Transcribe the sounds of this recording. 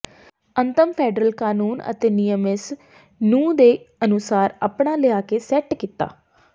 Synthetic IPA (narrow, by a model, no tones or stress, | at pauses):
ənt̪əmpʰɛːɖɾəlkaːnuːnə̰t̪eːnijəmɪs | nũːd̪eːənʊsaːɾa̰ːpɳaːləjaːkeːsɛʈkiːt̪a̰ː